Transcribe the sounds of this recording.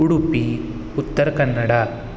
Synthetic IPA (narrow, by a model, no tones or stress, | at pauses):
uɽupi | ut̪ːɐɾɐkɐnːɐɽa